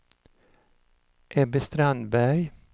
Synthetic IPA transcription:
ʔɛbəst̪ɾanbæɾj

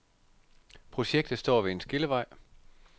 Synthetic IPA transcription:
pʰʁo̝ɕeɡ̥̚d̥ð̩ˠsd̥ɒ̰ːʋeensɡ̥e̝ləʋɑ̈ɪ̰

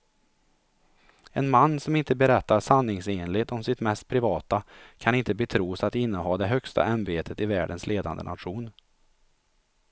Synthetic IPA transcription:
ɛnmanːsɔmɪnt̪əbɛɾɛt̪ːaɾsanːɪŋseːnlɪɡt̪ɔmsɪt̪mɛst̪̚pʰɾɪvɑːt̪akʰanɪnt̪əbɛt̪ʰɾuːsat̪ɪnːəɦɑːd̪ɛɦœkst̪ʰa̰ʔanbeːt̪ʰət̪ɪvæ̰ːɖənsleːd̪a̰nd̪ə̰nʔa̰t̪ɧuːn

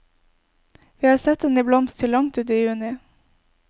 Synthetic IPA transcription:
ʋiːhɑːsɛt̪eːnɪblɔmst̪ʰɪlɑŋt̪ʉːt̪iːjʉːnɪ

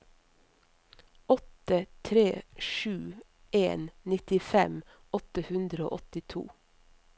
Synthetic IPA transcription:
ɔt̪ət̪ʰɾeːʃʉː | eːnnɪt̪ɪfɛm | ɔt̪əhʉnd̪ɾəo̰ːʔɔt̪ɪt̪ʰṵː

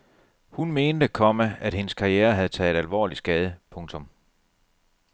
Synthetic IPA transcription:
hunme̝ːnd̥əkʰɒ̽mææd̥he̝nəskʰɑ̈ieːɐɦæð̞̩ˠt͡sʰɛ̰ːðˠdælʋɒ̰ːli̥sɡ̥ɛːð̞ˠəpʰɔ̽ŋt͡sʰɔ̽m

